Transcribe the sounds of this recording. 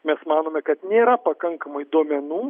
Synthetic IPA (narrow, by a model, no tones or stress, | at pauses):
mʲɛsmɑːnoːmʲɛkɐt̪nʲeːɾɐpɐkɐŋkɐmɐɪd̪oːmʲɛnuː